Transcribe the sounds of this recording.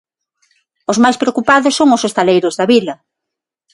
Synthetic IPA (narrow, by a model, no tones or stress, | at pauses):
ʊzmajspɾeokupaðʊsːoŋʊsest̪alejɾʊzðɐβilɐ